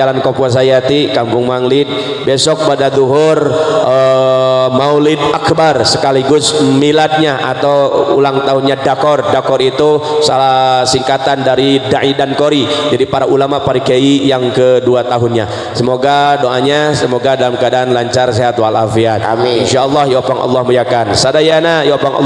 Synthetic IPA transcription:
alankopuas̬ajat̪ikampʊŋmaŋlɪt̪̚ | besɔk̚badad̪uɦʊrə | mawlɪt̪̚akbarsəkaliɡʊsmilat̪̚ɲaʔat̪awṵlaŋt̪aɦʊnɲadakɔrdakɔɾit̪usalahsiŋkat̪andaɾidaʔidankoɾid͡ʒadipaɾaʔulamapaɾikeijaŋkəduat̪aɦʊnɲa | səmoɡadoʔaɲasəmoɡadalamkadanlaɲt͡ʃars̬ajat̪ualafiat̪ɪnʃaɔlˠːɑhjiwapaŋʔɔ̰lˠːɑhməɾiakansadajanajiwapaŋɔ̰

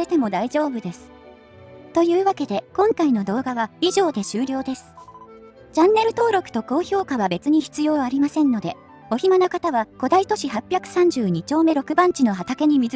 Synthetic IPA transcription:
et̪e̞mo̞d̪aiʑo̞ːbɯ̟d̪e̞sɨ̥ | t̪o̞jɯ̟ːβake̞d̪e̞kõ̞ŋkaino̞d̪o̞ːɡaβaiʑo̞ːd̪e̞ɕɨːɾʲo̞ːd̪e̞sɨ̥ | t͡ɕãnːe̞ɾɯ̟t̪o̞ːɾo̞kɯ̟̥t̪o̞ko̞ːço̞ːkaβ̞abe̞t͡sɨɲ̟içi̥t͡sɨjo̞ːaɾʲimasẽ̞nːo̞d̪e̞ | o̞çimanakat̪aβako̞d̪ait̪o̞ɕihapʲjakɯ̟̥sãɲ̟d͡ʑɨːɲ̟it͡ɕo̞ːme̞ɾo̞kɯ̟bãɲ̟t͡ɕino̞ɦat̪ake̞ɲ̟imʲi

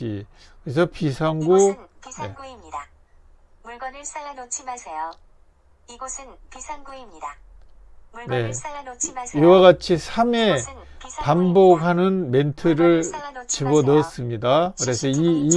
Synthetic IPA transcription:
ḭkɯɡes̬ʰʌpisʰaŋɡunḛ | ne̞ | iwaɣat͡ɕʰisʰame̞pambʌɡɦanɯnme̞ntʰɯɾɯɭt͡ɕibʌnʌs͈ɯmɲidakɯɾe̞sʰʌiː

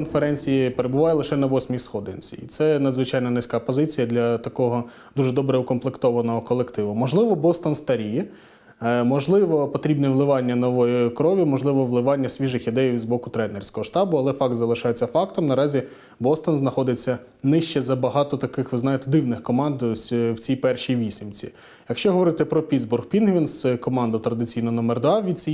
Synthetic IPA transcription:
ɔnfeɾɛnʲt͡sʲijipeɾebʊʋɑjɛlˠɪʃɛnɐʋɔsʲmʲijsxɔd̪ɪ̰nʲt͡sʲḭit̪sɛnɐd̪zʋɪt͡ʃɑjnɐnɪsʲkɑpɔzɪt͡sʲijɐd̪lʲɐt̪ɐkɔɦɔ | d̪̥uʒɛd̪ɔbɾɛʊkɔnflˠɪkt̪ɔʋɐnɔɦɔkɔlˠekt̪ɪʋʊmɔʒlˠɪʋɔbɔst̪ɔnst̪ɐɾʲiji | mɔʒlˠɪʋɔpɔt̪ɾʲibnɛʋlˠɪʋɑnʲːɐnɔʋɔjʊkɾɔʋʲjimɔʒlˠɪʋɔʋlˠɪʋɑnʲːɐsʲʋʲiʐɪxid̪ɛjʲizbɔkʊt̪ɾɛnerʲsʲkɔɦɔʃt̪ɑbʊɐlˠɛfɑk̚t̪zɐlˠɪʃɑjet͡sʲːɐfɑk̚t̪ɔmnɐɾɑzʲi | bɔst̪ɔnznɐxɔd̪ɪt͡sʲːɐ | nɪʃt͡ʃɛzɐbɐɦɑt̪ɔt̪ɐkɪxʋɪznɑjet̪ɛd̪ɪwnɪxkɔmɑnd̪sʲwt͡sʲijpɛrʃijʋʲisʲimt͡sʲḭ | jɐkʃt͡ʃɔɦɔʋɔɾɪt̪ɪpɾɔpʲid̪zbʊrxpʲinɦʋʲinskɔmɑnd̪ʊt̪ɾɐd̪ɪt͡sʲijnɔnɔmerd̪ɑʋʲid̪̚ʲt͡sʲi

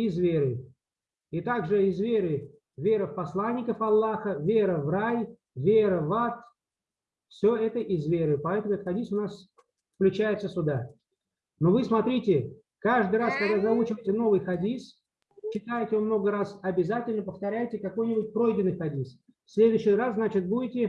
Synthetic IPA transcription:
ɪzvʲeɾɨ | ɪt̪aɡʐɨɪzvʲeɾɨ | vʲe̞ɾəfpɐslˠanʲːɪkəfɐlˠːaxəvʲe̞ɾəvraj | vʲeɾəvat̪ | fsʲɵɛt̪əʔɪzvʲeɾɨpɐɛt̪əmʊɛt̪ət̪xɐdʲisʊnas | fklʲʉt͡ɕæjɪt̪səsʲʊd̪a | novɨsmɐt̪ɾʲitʲɪ | kaʐd̪ɨjɾaskɐɡd̪azɐut͡ɕɪvəjtʲɪno̞vɨjxɐdʲis | t͡ɕːɪt̪ajɪtʲɪvɨmno̞ɡəɾasɐbʲɪzatʲɪlʲnəpəft̪ɐɾʲæjtʲɪkɐko̞jnʲɪbʊt̚ʲpɾo̞jdʲɪnːɨjxɐdʲis | fsʲlʲed̪ʊɕːɪrasznat͡ɕɪt̪̚budʲɪtʲɪ

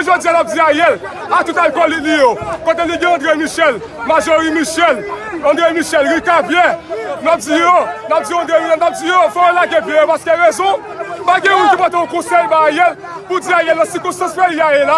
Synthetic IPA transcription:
ʒod͡zijanap̚d͡ziajɛl | at̪ut̪alkɔlitlijokot̪eliɡeɐ̃d̪ʁemiʃɛl | maʒoʁimiʃɛlɑ̃d̪ʁemiʃɛlʁikabjɛnap̚d͡zijonap̚d͡ziɔ̃d̪ɣemiãnap̚d͡zijofɛolaɡɛ̃bjɛ̃jopaskeɣɛzɔ̃ | paɡɛ̃mũnkipɔt̪ẽõkɔ̃sɛjbajɛl | pud͡ziajɛlnɐ̃sikɔ̃st̪ɑ̃smejiajela

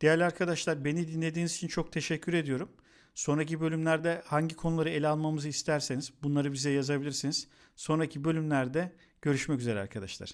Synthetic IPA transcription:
d̪̥ejælʲaɾkʰad̪aʃlˠaɾbe̞nid̪inlʲe̞d̪iːnizit͡ʃʰint͡ʃʰo̞k̚t̪ʰe̞ʃɛcʰːyɾe̞d̪ijo̞ɾum | so̞nɾac̬ibø̞lʲymlʲæɾd̪ɛhaɲɟikʰo̞nulˠaɾɯe̞lʲalˠmamɯzɯist̪ʰæɾseniz̥bunlˠaɾɯbizɛjazabilʲiɾsiniz̥ | so̞nɾacʰibø̞lʲymlʲæɾd̪ɛ | ɟ̥ø̞ɾyʃmɛcyze̞ɾɛ̰a̰ɾkʰad̪aʃlˠa̰ɾ̥

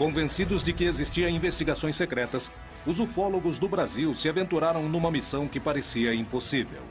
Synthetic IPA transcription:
kõvẽsid̪ʊzd͡ʒɪkɪezist͡ʃiɐ̃ĩvest͡ʃiɡasõj̃sːekɾɛt̪ɐs | ʊzofɔloɡʊzd̪ʊbɾaziwsɪavẽnt̪uɾaɾɐ̃w̃nũmɐmisɐ̃w̃kɪpaɾesiɐĩposivḛw

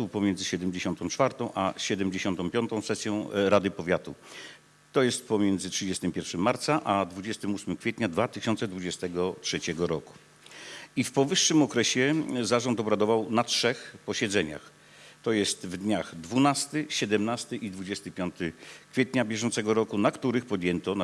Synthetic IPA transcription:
upɔmjɛnd̪zɘɕɛd̪ɛmd͡ʑeɕɔnt̪ɔ̃w̃t͡ʂfaɾt̪ɔ̃w̃ʔaɕɛd̪ɛmd͡ʑeɕɔnt̪ɔ̃w̃pʲjɔnt̪ɔ̃w̃sɛsʲjɔ̃w̃ɾad̪ɘpɔvʲjat̪u | t̪ɔjɛst̪̚pɔmʲjɛnd̪zɘtʂɘd͡ʑɛst̪ɘmpʲjɛɾfʂɘmːaɾt̪saʔad̪vud͡ʑɛst̪ɘmusmɘmkfʲɛt̪ɲad̪vat̪ɘɕɔnt̪sɛd̪vud͡ʑɛst̪ɛɡɔtʂɛt͡ɕɛɡɔɾɔku̥ | ifpɔvɘʂːɘmɔkɾɛɕɛzaʐɔnt̪ɔbɾad̪ɔvawnatʂɛxpɔɕɛd̪zɛɲa̰x | t̪ɔjɛst̪vd̪ɲaxd̪vunast̪ɘɕɛd̪ɛmnast̪ɘʔid̪vud͡ʑɛst̪ɘpʲjɔnt̪ɘkfʲjɛt̪ɲabʲjɛʐɔnt̪sɛɡɔɾɔkunakt̪uɾɘxpɔd̪ʲjɛnt̪ɔna

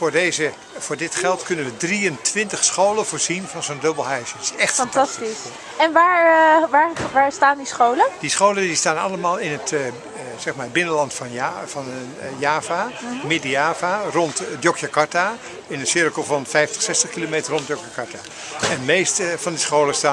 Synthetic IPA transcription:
fʊːɹdejzə | vʊːɹdɪtχɛlˠtkɵnənʋədriəntʋɪntəχsχowləv̥ʊːɹzinvɑnzondɵbəlˠɦɛɥsəsɛχtfntɑstis | ɛnʋaːɹʋaːɹʋaːɹstaːndisχowləd̥isχowləndistaːnɑ̰ləmaːlˠɪnət | z̥ɛχmaːɹbɪnənlɑntfnfɑn | jaːvamɪdəjaːvarɔntdjokjakɑɹta | ɪnənsɪrkəlˠvɑnfɛjftə̥χsɛstəχkilomeːtərɔndjokjakɑɹta | ɛnmejstəvɑndisχowləstaː

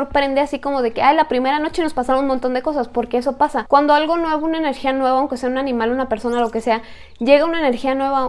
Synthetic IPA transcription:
ɾpɾe̞nd̪easiko̞mo̞ðe̞keajlapɾime̞ɾano̞t͡ʃeno̞spasaɾaunmont̪o̞nd̪e̞ko̞saspo̞ɾke̞es̬o̞pasakwand̪oalɣo̞nwe̞βounaene̞ɾxianwe̞βoaŋke̞se̞aunanĩmalunape̞ɾso̞naloke̞se̞a | ʝe̞ɣaunaene̞ɾxianwe̞βa

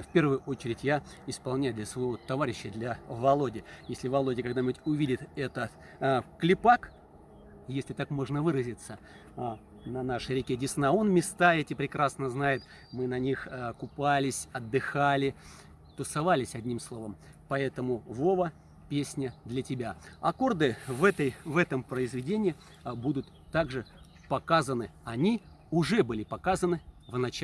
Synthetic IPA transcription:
fʲpʲe̞rvɨjʊʔo̞t͡ɕɪɾʲɪtʲja | ɪspɐlˠnʲæjd̪lʲəsvɐɪvot̪ːɐvaɾʲɪɕːəd̪lʲɐvɐlˠo̞dʲɪjesʲlʲɪvɐlˠo̞dʲɪkɐɡd̪anʲɪbutʲʊvʲidʲɪt̪ɛt̪ət̪ | klʲɪpak | jesʲlʲɪt̪akmo̞ʐnəvɨɾəzʲɪt̪sə | nɐnaʂɨɾʲɪkʲedʲɪsnaonmʲɪst̪aɛtʲɪpɾʲɪkɾasnəznajɪt̪ | mɨnɐnʲixkʊpalʲɪsʲɐd̪ːɨxalʲɪ | t̪ʊsɐvalʲɪsʲɐdʲnʲimslˠo̞vəm | pɐɛt̪əmʊvo̞və | pʲesʲnʲəd̪lʲɐtʲɪbʲaɐko̞rd̪ɨvɛt̪əjvɛt̪əmpɾəɪzvʲɪdʲenʲɪɪ | bud̪ʊt̪ːaɡʐɨ | pɐkazənɨɐnʲi | ʊʐɛbɨlʲɪpɐkazənɨvnɐt͡ɕ

